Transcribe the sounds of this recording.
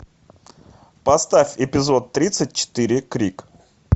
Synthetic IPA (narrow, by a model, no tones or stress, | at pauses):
pɐst̪afʲɪpʲɪzo̞t̪ːɾʲit̪sɨt̚ʲt͡ɕɪ̥t̪ɨɾʲɪkɾʲik